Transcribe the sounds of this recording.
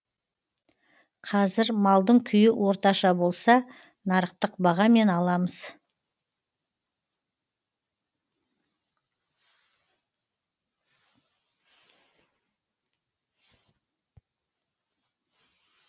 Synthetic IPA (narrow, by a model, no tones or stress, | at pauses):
qʰɑzɪɾmɑlˠd̪əɴkʲʰʏjɪwʔo̞ɾt̪ɑʃɑbo̞lˠsɑ | nɑɾəq̚t̪əqbɑʁɑme̞nɑlˠɑməz̥